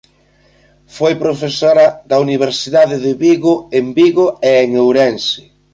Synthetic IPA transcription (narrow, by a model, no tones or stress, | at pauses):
fojpɾofesoɾɐðɐuniβ̞eɾsiðaðɪðɪβiɣʊembiɣoeːŋewɾɛnsɪ̥